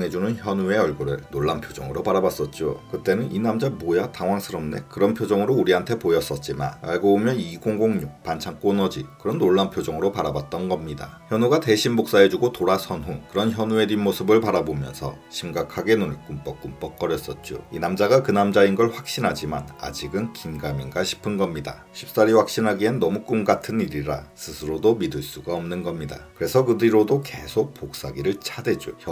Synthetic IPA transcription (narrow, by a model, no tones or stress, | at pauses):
ŋɦe̞d͡ʑunɯnçjʌnue̞ʌɭɡuɾɯɭnoɭːampʰjod͡ʑʌŋɯɾopaɾabas͈ʌt̚t͡ɕ͈okɯt͈e̞nɯninamd͡ʑamojataŋwaŋsʰɯɾʌmne̞̰kɯɾʌnpʰjod͡ʑʌŋɯɾouɾiɦantʰe̞pojʌs͈ʌt̚t͡ɕ͈ima̰na̰ɭɡobomjʌniɡoŋɡoŋɲuk̚pant͡ɕʰaŋk͈onʌd͡ʑikɯɾʌnːoɭːampʰjod͡ʑʌŋɯɾopaɾabat̚t͈ʌnɡʌmɲida̰çjʌnɦuɡate̞ɕʰimmok̚s͈aɦe̞d͡ʑuɡotoɾasʰʌnɦukɯɾʌnçjʌnue̞dɥinmosʰɯbɯɭpaɾabomjʌnsʰʌ̰ɕʰimɡakʰaɡe̞nunɯɭk͈ump͈ʌk͈ump͈ʌk̚k͈ʌɾjʌs͈ʌt̚t͡ɕ͈o̰inamd͡ʑaɡakɯnamd͡ʑainɡʌɭɸwak̚ɕ͈inɦad͡ʑimana̰d͡ʑiɡɯnkinɡaminɡaɕʰi̥pʰɯnɡʌmɲida̰ | ɕʰi̥p̚s͈aɾiwak̚ɕ͈inɦaɡienːʌmuk͈umɡatʰɯniɾiɾa̰sʰɯsʰɯɾodomidɯɭs͈uɡaʌmnɯnɡʌmɲida̰kɯɾe̞sʰʌkɯdɯiɾodoke̞sʰok̚pok̚s͈aɡiɾɯɭt͡ɕʰade̞d͡ʑuçjʌ